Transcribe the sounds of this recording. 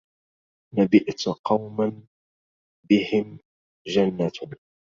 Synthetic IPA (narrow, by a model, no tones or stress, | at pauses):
nabɪʔt̪qɑwman | bɪhɪm | d͡ʒanːa